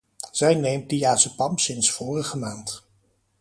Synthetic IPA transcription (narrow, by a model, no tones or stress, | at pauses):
z̥ɛjnejmt̚dijaːsəpɑmsɪnsfʊːrəχəmaːnt